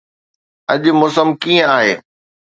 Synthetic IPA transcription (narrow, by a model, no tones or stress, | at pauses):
ɐʄʊ̆mʊs̬əmkiːə̃aːɦḛː